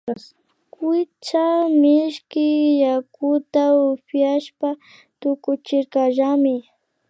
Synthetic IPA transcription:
kɪt͡ʃamɪʃkɪjakʊt̪aʊpjaʃpa | t̪ʊkʊt͡ʃɪɾkaʒamɪ

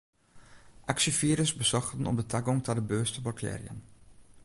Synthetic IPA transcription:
ʔaksəfiːɾəsbəzɔχtənɔ̰p̚dətʰaɡɔŋtadəbøːstəbɔrkʰɛ̰ːrjə̰n

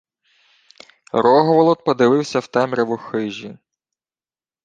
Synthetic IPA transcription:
ɾɔɦɔʋɔlˠɔt̪̚pɔd̪ɪʋɪwsʲɐwt̪ɛmɾeʋɔxɪʒʲi

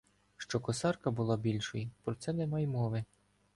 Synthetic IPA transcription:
ʃt͡ʃɔkɔsɑrkɐbʊlˠɑbʲilʲʃɔjipɾɔt̪sɛnɛmɑjmɔʋɪ

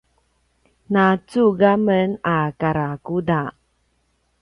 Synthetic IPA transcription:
nat͡suɡamənakaɾakuda

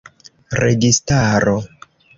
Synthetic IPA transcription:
ɾeɡistaɾo

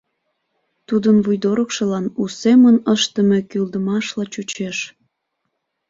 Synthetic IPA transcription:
t̪ud̪ənvujd̪oɾəkʃə̆lɑnusemənəʃt̪əme̽kyld̪əmɑʃlɑt͡ɕut͡ɕeʃ

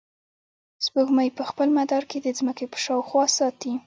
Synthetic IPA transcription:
z̥bəɡməjpəxpəlmad̪ɑɾked̪əzməkepə̥ʃɑwxwɑsɑt̪i

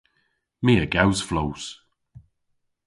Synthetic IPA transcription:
miːəɡawsflows

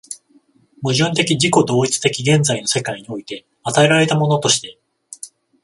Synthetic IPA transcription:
mɯ̟ʑɨ̃nt̪e̞kʲid͡ʑiko̞d̪o̞ːit͡sɨ̥t̪e̞kʲiɡẽ̞nd͡zaino̞se̞kaiɲ̟io̞it̪e̞ | at̪ae̞ɾaɾe̞t̪amo̞no̞t̪o̞ɕi̥t̪e̞

